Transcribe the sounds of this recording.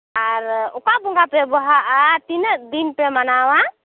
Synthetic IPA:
aɾukabuŋɡapɛbɔɦaʔat̪inəʔd̪inpɛmanawa

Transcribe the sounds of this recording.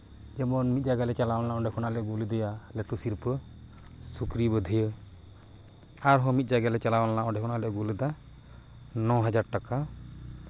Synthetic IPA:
d͡ʒɛmɔnmit̪̚ˀd͡ʒaɡalɛt͡ʃalawɔnlaɔ̃ɖɛkʰɔnaʔlɛɡuld̪ɛjalɛʈusiɾpə | sukɾibəd̪ʱəjə | aɾɦɔmit̪̚ˀd͡ʒaɡalɛt͡ʃalawanlaɔ̃ɖɛkʰɔnaʔlɛɡuld̪a | nɔ̃ɦad͡ʒaɾʈaka

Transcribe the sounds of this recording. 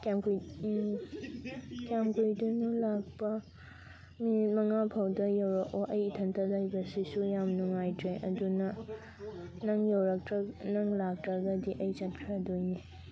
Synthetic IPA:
kamku | kjamkujdunulak̚pɐ | minit̚mɐŋapʰawdɐjɐwɾɐkoʔɐjitʰɐntʰɐzajbɐsisujamnuŋajdɾeʔɐdunɐ | nɐŋjɐwɾɐknɐŋlak̚tɾɐɡɐdiʔɐjt͡ʃɐt̚kʰɾadojne

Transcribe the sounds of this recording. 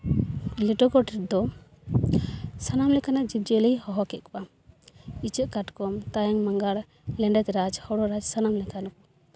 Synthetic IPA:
liʈɔkɔʈɛʈ̚d̪ɔ | sanamlɛkanaʔd͡ʒip̚d͡ʒɛlɛjhɔɦɔkɛt̪̚kba | it͡ʃəkaʈkɔmt̪ajaŋmaŋɡaɽ | lɛɳɖɛt̪ɾad͡ʒhɔɽɔɾad͡ʒsanamlɛkanɔk̚

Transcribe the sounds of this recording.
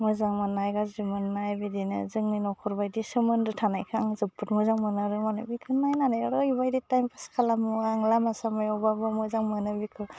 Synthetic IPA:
mɯzaŋmɯnːajɡazimɯnːajbidinɯ̰zɯŋninɔkʰɔɾbajdisɯmɯndɯtʰanajkʰaŋzɯpːɯtmuzaŋmɯnaɾɯmanɯbikʰɯnajnanajɾɔibajditajmpʰaskʰalamuaŋlamasamajɔbabɯmuzaŋmɯnɯbikʰɯ

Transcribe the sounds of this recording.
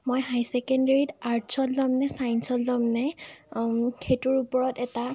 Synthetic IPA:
mojɦajsɛkɔndeɹitaɹtsɔllɔmnɛsajnsɔlzɔmnɛ | xetuɹupɔɹɔtɛta

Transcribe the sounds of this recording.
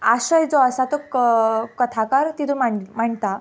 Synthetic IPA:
aɕəjd͡zoəsat̪o | kət̪ʰakaɾt̪it̪umam̤əɳt̪a

